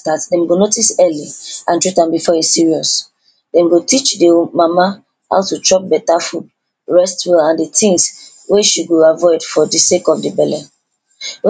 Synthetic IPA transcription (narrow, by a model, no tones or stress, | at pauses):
tatdɛ̃mɡonotisɛliãntɹitãnbifɔesiɹiɔs | dɛ̃mɡotit͡ʃdimama | ha̰ʊtutɹɔp̚bɛtafud̚ | ɹɛstwilãnditʰĩŋs | weʃiɡoavɔɪdfɔdisekɔfdibɛlɛ